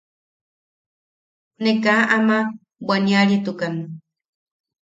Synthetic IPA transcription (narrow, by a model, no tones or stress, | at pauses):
nekaʔama | bwaniaɾiet̪ukanu